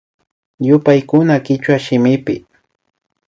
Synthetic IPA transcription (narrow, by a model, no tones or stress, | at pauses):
jʊpajkʊnakɪt͡ʃwaʃɪmɪpɪ